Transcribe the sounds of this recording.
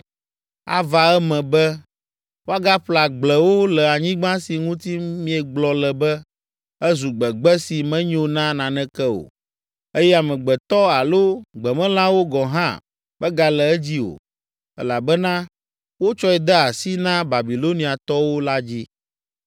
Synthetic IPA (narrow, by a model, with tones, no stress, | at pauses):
a̰˦va˨ɛ˦mɛ̃˨bɛ˦ | wo˦a˦ɡa˦ɸla˨ɡ͡blɛ˨wo˦lɛ˨a˨ɲĩ˦ɡ͡bã˦si˨ŋũ˦t̪i˦mĩ˦ɛ˨ɡ͡blɔ˨lɛ˨bɛ˦ | ɛ˦zu˨ɡ͡bɛ˨ɡ͡bɛ˦si˨mɛ̃˦ɲ˦o˨nã˦nã˨nɛ̃˦kɛ˦o̰˨ | e˦jɛ˦a˨mɛ̃˨ɡ͡bɛ˨t̪ɔ˦a˨lo˦ɡ͡bɛ˨mɛ̃˦lã˦wo˦ɡɔ˨ɦã̰˦ | bɛ˦ɡa˨lɛ˨ɛ˦d͡ʑi˦o̰˨ | ɛ̰˦la˨bɛ˦nã˦ | wo˦t͡ʃɔ˦ɛ˨d̪ɛ˦a˨si˦nã˦ba˨bi˨lo˦nĩ˨a˨t̪ɔ˦wo˦la˦d͡ʑi˦